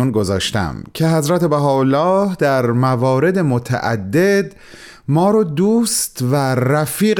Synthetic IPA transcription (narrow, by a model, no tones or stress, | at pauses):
unɡo̞zɒ̰ːʃt̪æ̰mcʰe̞ɦæzɾæt̪ʰe̞bæɦɒːolːɒːhd̪æɾmævɒːɾe̞d̪e̞mot̪ʰæ̰ʔæ̰d̪ːe̞d̪ | mɒːɾɒːd̪uːst̪væɾæfiːɣ